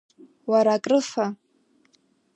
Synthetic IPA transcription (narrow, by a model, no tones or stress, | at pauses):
waɾakʼrɨfa